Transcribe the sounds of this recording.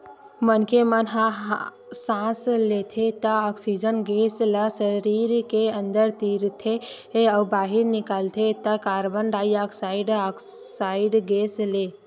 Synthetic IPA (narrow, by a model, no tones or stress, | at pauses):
mənkemənɦãɦ | sãslet̪ʰet̪əɔksid͡ʒənɡesləsəɾiːɾkeə̃nd̪əɾt̪iɾt̪ʰe | eəbaːɦɪɾnɪkaːlt̪ʰet̪əkaːɾbənɾaːiaːksaɪɖak | saɪɖɡeːsleː